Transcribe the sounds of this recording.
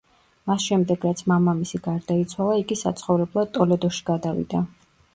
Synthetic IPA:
masʃɛmd̪ɛɡɾat̪sʰmamamisiɡaɾd̪ait̪sʰwalˠaiɡisa̰t̪sʰχɔvɾɛblˠat̪ʼɔlɛd̪ɔʃi̥ɡad̪avḭd̪a

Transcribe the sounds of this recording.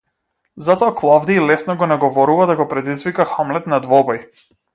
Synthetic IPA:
zat̪ɔaklˠavd̪iːlɛsnɔɡɔnaɡvɔɾuvad̪aɡɔpɾɛd̪izvikaxamlɛt̪nad̪vɔbɔj

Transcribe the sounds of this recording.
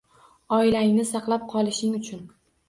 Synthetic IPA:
ɒɪlaɪŋnɪsɑqlˠap̚qʰɒlˠɪʃɪŋʊt͡ʃʰʊn

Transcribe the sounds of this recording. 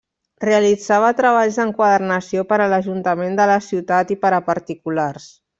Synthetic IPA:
reəlid͡zaβ̞ət̪ɾəβ̞aʎzðəŋkwaðəɾnəsiopəɾələʒunt̪əmend̪ələsiwt̪at̪ipəɾəpəɾt̪ikulars

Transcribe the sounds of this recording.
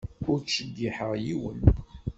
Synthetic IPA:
ʊɾʃəɡːiħəʁjiwən

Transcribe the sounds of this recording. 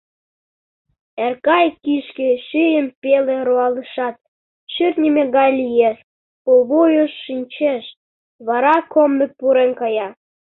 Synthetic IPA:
erkɑjkiʃkeʃyjəmpeleɾoɑləʃɑt̪̚ | ʃyrnʲimeɣɑjlijeʃ | koβujoʃːinʲt͡ɕeʃ | βɑɾɑkomːepuɾenkɑjɑ

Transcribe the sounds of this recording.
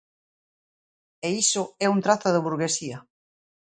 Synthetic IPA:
eisʊɛunt̪ɾaθʊðɪβuɾɣesiɐ

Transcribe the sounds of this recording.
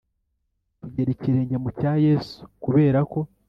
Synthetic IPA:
tuɟe̞ɾeciɾe̞ːɲɟe̞mucaːje̞su̥kuβe̞ːɾako̞

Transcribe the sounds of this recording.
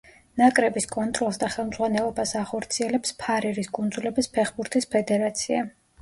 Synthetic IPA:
nakʼɾɛbiskʼɔnt̪ʼɾɔlˠsd̪aχɛlˠmdzʁwanɛlˠɔbasaχɔɾt̪sʰiɛlɛpspʰaɾɛɾiskʼund̪zulɛbispʰɛχbuɾt̪ʰispʰɛd̪ɛɾat̪sʰia̰

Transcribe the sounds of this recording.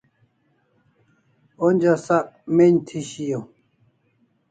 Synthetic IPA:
onʲd͡ʑasakmeɲt̪ʰiɕijo

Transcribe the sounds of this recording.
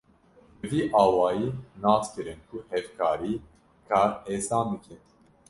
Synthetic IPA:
bɨviːʔɑːwɑːjiːnɑːskɨɾɨnkʰuhɛvkʰɑːɾiː | kʰɑːɾeːsɑːnbɨkʰɨn

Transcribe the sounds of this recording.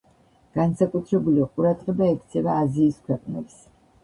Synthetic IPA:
ɡ̥ansakʼut̪ʰɾɛbuliɔqʼuɾad̪ʁɛbaɛkʰt̪sʰɛvaːziːskʰwɛqʼnɛ̰bs

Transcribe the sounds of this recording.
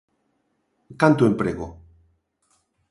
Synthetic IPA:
kant̪uempɾeɣo

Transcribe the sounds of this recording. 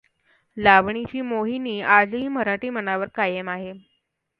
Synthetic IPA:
laʋɳit͡ɕiːmoɦiniːad͡zɦiːməɾaʈiːmənaʋəɾkajəmaɦe

